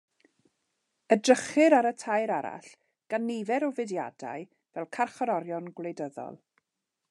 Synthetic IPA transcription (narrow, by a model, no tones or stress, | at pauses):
ədrəχɪɾaɾətʰajɾaɾa̰ɬ | ɡ̥anːɪvɛɾɔvɛdja̰da̰j | vɛlˠkʰarχɔɾɔɾjɔnɡwlˠejdəðɔ̰lˠ